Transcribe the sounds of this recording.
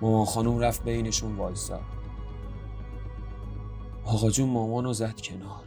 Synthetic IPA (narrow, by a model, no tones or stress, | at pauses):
mɒːmɒːnxɒːnumræft̪̚be̞jne̞ʃunvɒːlsɒ̰ | ɒːɣɒːd͡ʒunmɒːmɒːnozæd̪̥cʰe̞nɒːɾ